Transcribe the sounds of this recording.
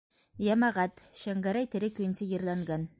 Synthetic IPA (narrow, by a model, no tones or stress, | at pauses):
jæmæʁæt̪ʃæŋɡæɾæjt̪ɘ̆ɾɘkɵ̆jɘ̆nsɘjɤ̆ɾlˠɑŋɡɑn